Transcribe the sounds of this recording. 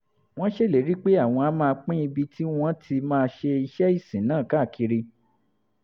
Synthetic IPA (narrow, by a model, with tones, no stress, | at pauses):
w̃ɔ̃˦ʃe˦˨le˨˦ɾi˦k͡pe˦a˦˨w̃ɔ̃˧a˧˦mãː˦˧k͡pĩ˦i˧bi˧tʰi˦w̃ɔ̃˦tʰi˧mãː˦˧ʃe˧i˧ʃɛ˦i˦˨sĩ˨˦nãː˦˨ka˦˨kʰi˨˧ɾi˧